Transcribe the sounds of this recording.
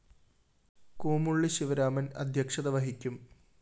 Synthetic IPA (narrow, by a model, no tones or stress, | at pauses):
kuːmuɭːiɕiʋɐɾaːmɐnɐ̰d̪ʱjɐkʂɐðɐʋɐɦikʲːum